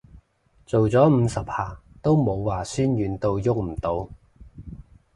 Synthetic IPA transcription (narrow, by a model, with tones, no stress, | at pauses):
t͡so˨wt͡sɔː˨˥m̩˨˧sɐ˨p̚haː˨˩ | t̪o˥wmo˨˧wːaː˨˩syː˥njyː˨˧nt̪o˧wjʊ˥k̚m̩˨˩t̪o˨˧w